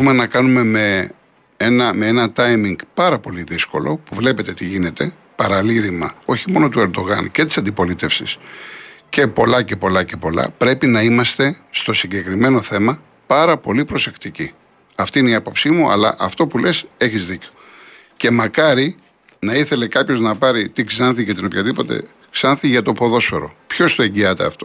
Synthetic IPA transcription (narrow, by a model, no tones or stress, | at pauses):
umenɐkɐnume̞me̞ | enɐmeenɐt̪ɐjmiŋɡpɐɾɐpo̞liðisko̞̰lo̞̰puvlepe̞t̪e̞t̪iʝine̞t̪e̞ | pɐɾɐliɾimɐ̰o̞çimo̞no̞t̪ue̞ɾd̪o̞ɣɐnce̞t̪i̥sɐnd̪ipo̞lit̪e̞fsḭs | ce̞po̞lɐce̞po̞lɐce̞po̞lɐ̰pɾe̞pinɐimɐst̪e̞st̪o̞siɲɟe̞kɾime̞no̞θe̞mɐ | pɐɾɐpo̞lipɾo̞se̞kt̪ici | ɐft̪iineiɐpo̞psimuʔɐ̰lɐʔɐft̪o̞pule̞se̞çizðiceo̥ | ce̞mɐkɐɾi | nɐiθe̞le̞kɐpço̞znɐpɐɾit̪iksɐnθicɐt̪inopçɐðipo̞t̪e̞̰ | ksɐnθiʝɐt̪o̞po̞ðo̞sfe̞ɾo̞̰pço̞st̪o̞eɲɟiɐt̪ḛɐ̰ft̪o̞